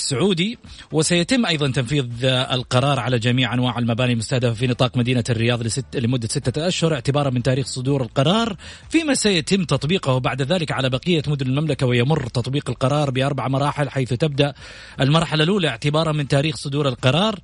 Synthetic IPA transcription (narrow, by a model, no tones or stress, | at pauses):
sːʊʕuːd̪iwɪsajat̪ɪmːʔɑjðˤɑnt̪ɑnfiːðˤɪ̰lqɑɾˤɑːɾˤʕalad͡ʒamiːʕʔanwaːʕɪlmabaːnilmʊst̪ahd̪afafinɨt̪ˤɑːqmad̪iːnarːɪjɑːðˤllɪmʊd̪ːasɪt̪ːaʔaʃhʊɾˤɪʕt̪ɪbɑːɾˤɑmɪnt̪aːɾiːxsˤʊd̪uːɾɪlqɑɾˤɑːɾˤfiːmasajat̪ɪmːt̪ɑt̪ˤbiːqʊhbaʕd̪ðaːlɪkʕalabaqɪjːamʊd̪ʊnɪlmamlakawɪjamʊrːt̪ɑt̪ˤbiːqɪlqɑɾˤɑːɾˤbɪʔɑɾˤbaʕamɑɾˤɑːħɪlħajθt̪ɪb̚d̪aʔ | ʔɪlmɑɾˤħalalʔuːlaɪʕt̪ɪbɑːɾˤɑmɪnt̪aːɾiːxsˤʊd̪uːɾɪlqɑɾˤɑːɾˤ